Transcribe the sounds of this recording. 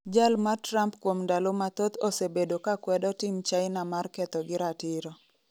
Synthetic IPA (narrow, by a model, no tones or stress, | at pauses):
d͡ʒalmatɾampkwomndalomat̪ot̪osebedokakwɛdɔtɪmt͡ʃajɪnamarkɛt̪ɔɡɪɾatɪɾɔ